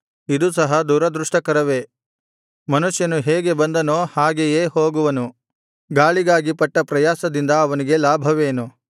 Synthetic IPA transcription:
id̪usɐɦɐd̪uːɾɐd̪ɾuʂʈɐkɐɾɐʋe̞ | mɐnuʂjɐnuɦeːɡe̞bɐnd̪ɐnoːhaːɡejeːhoːɡuʋɐnu | ɡaːɭiɡaːɡipɐʈːɐpɾɐjaːsɐd̪ind̪ɐːʋɐniɡe̞laːbʱɐʋeːnu

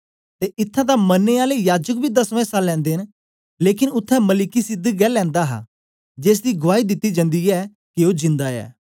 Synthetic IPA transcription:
t̪eːʔɪt̪ʰːãd̪amənːeːaːlejaːd͡ʒək̚bʱiːd̪əsʋɛ̃ːsalɛ̃ːnd̪eːn | leːkɪnʊt̪ʰːɛməlɪkisɪd̪əɡɛːlɛ̃ːnd̪aɦa̰ː | d͡ʒeːs̬d̪iːɡʊʋaːid̪ɪt̪ːid͡ʒə̃nd̪iːɛː | kɪoːd͡ʒɪ̃nd̪aːɛ̰ː

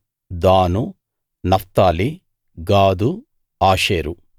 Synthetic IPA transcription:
d̪aːnu | nɐft̪aːli | ɡaːd̪u | aːʃeːɾu

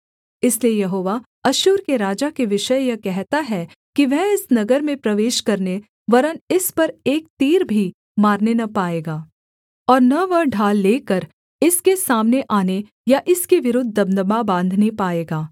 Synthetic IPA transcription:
ɪsliejɐɦoːʋa | ɐʃuːɾkeɾaːd͡ʒakeʋɪʃəjjɐkɛɦt̪aɦɛ | kiʋɛɦɪsnɐɡəɾmẽpɾɐʋeːʃkɐɾne | ʋɐɾənɪspɐɾeːk̚t̪iːɾbʱi | maːɾnenɐpaːeːɡaː | ɔːɾnɐʋɐɖʱaːlːeːkɐɾ | ɪskesaːmneʔaːne | jaʔɪskeʋɪɾʊd̪ʱːəbnəbabãːnd̪ʱnepaːeːɡaː

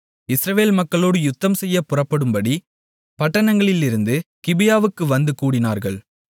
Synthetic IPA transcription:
ɪsɾɐʋeːlmɐkːɐɭoːɽɯjʊt̪ːɐmsɛjːɐpːʊrɐpːɐɽɯmbɐɽi | pɐʈːɐnɐŋɡɐɭɪlɪɾɯnd̪ɯkɪbɪjaːʋɯkːɯʋɐnd̪ɯkuːɽɪna̰ːɾɣɐɭ

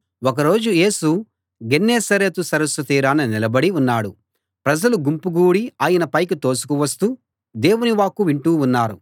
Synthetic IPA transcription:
ɔk̬ɐɾo̞ːd͡ʒuje̞ːsu | ɡenːeːsɐɾet̪usɐɾɐsʋɐt̪iːɾaːnːɐnilɐbɐɽiunːaːɽu | pɾɐd͡ʒɐluɡumpuɡuːɽiaːjɐnɐpɐjkit̪o̞ːsu̥kuʋɐst̪uː | d̪e̞ːwuniʋaːkuʋiɳʈuːunːaːɾu

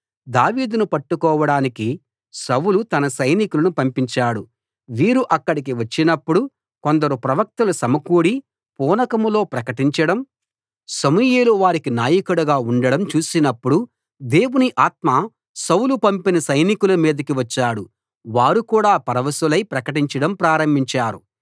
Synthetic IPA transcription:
d̪aːʋiːd̪unupɐʈːukɔːʋɐɽaːniki | sɐwlut̪ɐnɐsɐjnikulɐnupɐmpiɲt͡ʃaːɽu | ʋiːɾuʔɐkːɐɽik̬iʋɐt͡ʃːinɐpːuɽu | ko̞nd̪ɐɾupɾɐʋɐk̚t̪ɐlusɐmɐkuːɽi | pɔːnɐkɐmlo̞ːpɾɐkɐʈiɲt͡ʃɐɽɐm | sɐmujeːluʋaːɾikinaːjɐkuɽɐɡaːuɳɖɐɽɐmt͡ʃuːsinɐpːuɽu | d̪eːwuniʔaːt̪̚maː | sɐwlupɐmpinɐsɐjnikulɐmiːd̪ɐkiʋɐt͡ʃːaːɽu | ʋaːɾukuːɽaːpɐɾɐʋɐsulɐjpɾɐkɐʈiɲt͡ʃɐɽɐmpɾaːɾɐmbiɲt͡ʃaːɾṵ

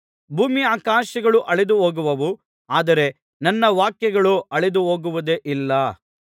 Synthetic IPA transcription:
bʱuːmiaːkaːʃɐɡɐɭuʔɐɭed̪uɦoːɡuʋɐʋu | aːd̪ɐɾe̞ | nɐnːɐʋaːkjɐɡɐɭuɐɭed̪uɦoːɡuʋɐd̪eʔilːɐ

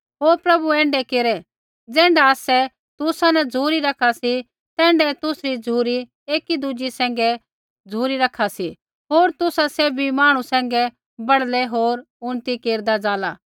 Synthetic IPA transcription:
ɦoːɾpɾɐbuɛ̃ːɳɖɛkeːɾɛ | d͡zɛ̃ːɳɖaaːsɛ | t̪ʊsanɛd͡zʱuːɾiɾɐkʰasi | t̪ɛ̃ːɳɖɛt̪ʊsɾid͡zʱuːɾi | eːkid̪ud͡ʒisɛ̃ːŋ̆ɡɛ | d͡zʱuːɾiɾɐkʰːasi | ɦoːɾt̪ʊsaseːbʱimaːɽ̃usɛ̃ːŋ̆ɡɛ | bɐɽlɛɦoːɾ | ʊñt̪ikeːɾd̪ad͡zaːlaː

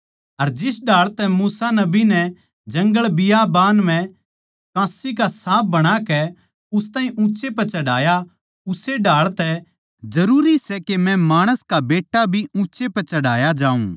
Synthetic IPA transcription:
ɐɾd͡ʒɪsɖaːɭt̪ɛmuːsanɐbinɛ | d͡ʒɐ̃ŋɡəɭbɪjabaːnm̤ɛ̃ | kãːsikasãːp̚ʰbɐɽ̃akɛ | ʊst̪ãːĩʔũːt͡ʃepɐt͡ʃɐɽaːja | ʊseɖaːɭt̪ɛ | d͡ʒɐɾuːɾisɛkemɛ̃maːɽ̃əskabeːʈːabʱiũːt͡ʃepɐt͡ʃɐɽaːjad͡ʒãːṵ̃ː

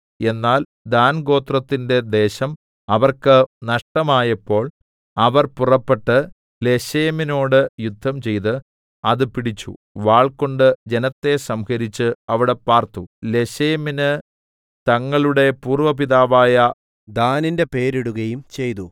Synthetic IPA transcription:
e̞nːaːl | d̪aːnɡo̞ːt̪rɐt̪ːinde̞d̪e̞ːɕɐm | ɐʋɐrkɨnɐʂʈɐmaːjɐpːo̞ːɭ | ɐʋɐrpurɐpːe̞ʈːɨ | le̞ɕeːmino̞ːɽɨjud̪ʱːɐmt͡ɕe̞jt̪ɨ | ɐðɨpiɽit͡ɕːṵ | ʋaːɭko̞ɳɖɨd͡ʑe̞nɐt̪ːe̞sɐmhɐɾit͡ɕːɨɐʋiɽe̞paːrt̪ule̞ɕeːminɨ | t̪ɐŋːɐɭuɽe̞puːrʋɐpiðaːʋaːjɐ | d̪aːnindepe̞ːɾiɽuɣɐjumt͡ɕe̞jt̪u

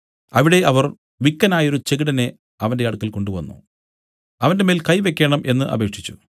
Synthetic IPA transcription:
ɐʋiɽe̞ʔɐʋɐr | ʋikːɐnaːjo̞ɾut͡ɕe̞ɡiɽɐne̞ | ɐʋɐndeɐɽukːɐlko̞ɳɖuʋɐnːṵ | ɐʋɐnde̞me̞ːlkɐjʋe̞kːeːɳɐmʔe̞nːɨʔɐ̰be̞ːkʂit͡ɕːu̥

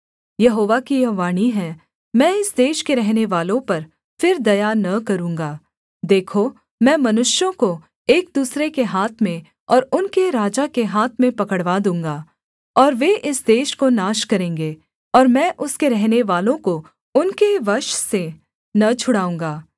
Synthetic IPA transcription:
jɐɦoːʋakijɐʋaːñiɦɛ̃ | mɛ̃ːɪsd̪eːʃkeɾɛɦneʋaːlõpɐɾ | fɪɾd̪ɐjanɐkɐɾũːŋɡaː | d̪eːkʰo | mɛ̃ːmɐnʊʃjõko | eːk̚d̪uːsɾekeɦaːt̪ʰmẽ | ɔːɾʊnkeɾaːd͡ʒakeɦaːt̪ʰmẽpɐkəɽʋad̪ũːŋɡaː | ɔːɾʋeʔɪsd̪eːʃkonaːʃkɐɾẽːŋɡeː | ɔːɾmɛ̃ːʔʊskeɾɛɦneʋaːlõko | ʊnkeʋɐɾʃse | nɐt͡ʃʰʊɽaːũːŋ̆ɡaː

